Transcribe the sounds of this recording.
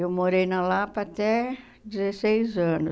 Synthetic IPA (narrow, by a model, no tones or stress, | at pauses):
ewmoɾejnɐlapat̪ɛ | d͡ʒɪzesejzɐ̃nʊ